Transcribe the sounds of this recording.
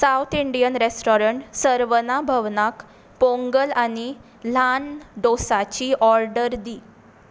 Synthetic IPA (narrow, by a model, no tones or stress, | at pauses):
saut̪ʰiɳɖijənɾesʈoɾəɳʈsəɾʋənabʱəʋnak | põŋɡəlani | lanɖosat͡ɕiʔɔɾɖəɾd̪iː